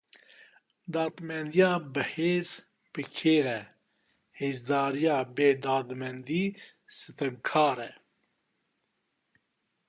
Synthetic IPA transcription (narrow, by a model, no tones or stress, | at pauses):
d̪aːt̪mɛnd̪ijaːbəheːz | pɨkʰeːɾɛ | heːzd̪aːɾijaːbeːd̪aːd̪mɛnd̪iː | sɨt̪ɐŋkʰaːɾɛ